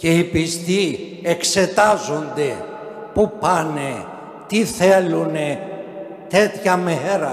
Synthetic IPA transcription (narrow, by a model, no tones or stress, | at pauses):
ce̞ipist̪i | ekse̞t̪ɐzo̞nd̪e̞ | pupɐne | t̪iθelune | t̪e̞t̪çɐmeeɾɐ